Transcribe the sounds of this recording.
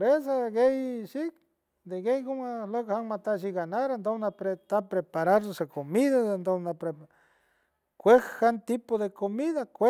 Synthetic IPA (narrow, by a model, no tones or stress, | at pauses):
pɾesaɣejʃik | d̪eɡejkomalekhaŋmat̪aʃ̬iɡanaɾand̪omnapɾet̪apɾepaɾaɾsosekomiðaend̪onapɾe | kʷehkant̪ipoðekomiðakʷe